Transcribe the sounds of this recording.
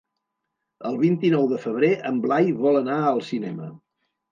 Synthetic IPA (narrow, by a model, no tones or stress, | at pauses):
əlˠβint̪inɔwðəfəβ̞ɾeʔəmblajβɔlˠənaəlˠsinɛmə